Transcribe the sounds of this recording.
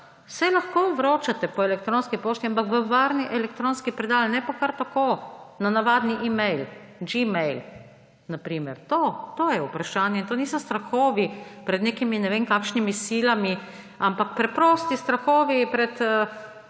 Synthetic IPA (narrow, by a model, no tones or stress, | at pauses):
sɛlaxkoʋɾoːt͡ʃat̪ɛpɔɛlɛk̚t̪ɾoːnskipoːʃt̪iampakʋəʋaːɾniʔɛlɛkt̪ɾoːnskipɾɛd̪aːlnɛpɔkaɾt̪akoːnanaʋaːd̪niʔimɛjl | d͡ʒimɛjl | napɾiːmɛɾt̪oːt̪oːjɛupɾaʃaːnjɛint̪oːniːsɔst̪ɾaxoːʋipɾɛd̪neːkiminɛʋeːŋkaːkʃnimisiːlami | ampak̚pɾɛpɾost̪ist̪ɾaxoːʋipɾɛt̪ə